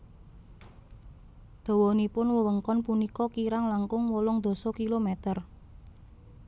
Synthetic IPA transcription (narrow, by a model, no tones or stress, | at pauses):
d̪̥o̤wɔnipʊnwəwəŋkɔnpunikɔkiɾaŋlaŋkʊŋwɔlɔŋd̪̥o̤sɔkilomɛt̪ər